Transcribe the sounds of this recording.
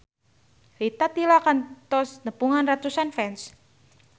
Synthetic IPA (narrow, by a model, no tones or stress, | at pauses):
lit̪at̪ilakant̪ɔsnəpuŋanrat̪usanfɛns